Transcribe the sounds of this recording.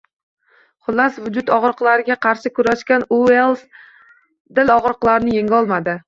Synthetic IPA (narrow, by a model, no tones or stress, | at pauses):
χʊlːasvʊd͡ʒʊt̪ɒʁɾɨqlˠaɾɪɡʲaqʰɑɾʃɪkʰʲʊɾaʃkʲanuelˠs | d̪ɪlɒʁɾɨqlˠaɾnɪjeŋʲɒlˠmad̪ɪ